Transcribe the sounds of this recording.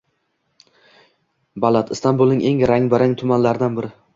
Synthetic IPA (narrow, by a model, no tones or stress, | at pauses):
balˠat̪ʰɪst̪ʰanbʊlˠnɪŋʔe̞ŋɾaŋbɪɾaŋt̪ʰʊmanlaɾɪd̪anbɪɾɪ